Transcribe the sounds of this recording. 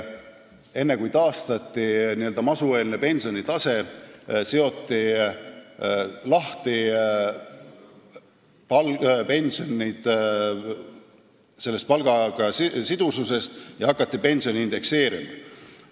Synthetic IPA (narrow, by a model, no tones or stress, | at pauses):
e̞nːe̞kujt̪ɑːst̪ɑt̪ːˑiniːø̞ld̪ɑmɑsue̞ːlinepe̞nʲsio̞nit̪ɑse̞seo̞t̪ːˑi | lɑht̪i | pɑlpe̞nʲsionʲid̪̥ | se̞lːest̪̚pɑlɡ̥ɑɡ̥ɑssid̪̥ususe̞st̪jɑɦɑkːˑɑt̪ːipe̞nʲsionʲiind̪̥e̞kse̞ːɾḭmɑ